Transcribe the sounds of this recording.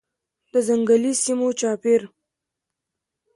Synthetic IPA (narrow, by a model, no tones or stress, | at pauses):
d̪əzaŋɡalisimot͡ʃɑpiɾ